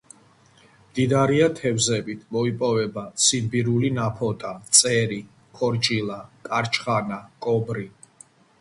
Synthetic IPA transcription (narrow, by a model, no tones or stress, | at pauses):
md̪̥id̪aɾiat̪ʰɛvzɛbit̪ʰmɔipʼɔvɛbat̪sʰid̪biɾulinapʰɔt̪ʼat̪sʼɛɾi | kʰɔɾt͡ʃʼilakʼaɾt͡ʃʰʼχanakʼɔbɾi